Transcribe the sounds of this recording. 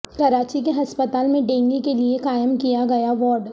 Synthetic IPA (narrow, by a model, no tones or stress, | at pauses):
kɐɾaːt͡ʃik̬eɦɐspət̪aːlmẽɖẽːŋɡikeliekaːjɪəmkijaɡɐjaʋɔːɾɖ